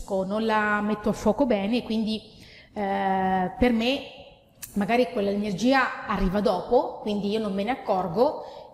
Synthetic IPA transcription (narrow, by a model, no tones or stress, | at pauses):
kononlamet̪ːoafːwɔːkobɛːnekwind̪i | perme | maɡaːɾikwelːalenerd͡ʒiːaarːiːvad̪ɔːpokwind̪iiːonommeneakːɔrɡo